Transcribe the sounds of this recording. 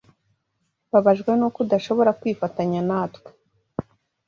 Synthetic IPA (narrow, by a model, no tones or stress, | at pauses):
βaβaʒɡwe̞nokudaʃo̞βo̞ɾakwiːfataɲanaːtkwe̥